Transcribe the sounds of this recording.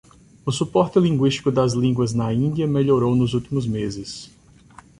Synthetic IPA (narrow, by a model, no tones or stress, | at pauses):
ʊsupɔɾt̪ɪlĩŋɡwiʃt̪i̥kʊd̪ɐzlĩŋɡwɐznɐĩnd̪iɐmeʎoɾownʊzuwt̪imʊzmezɪs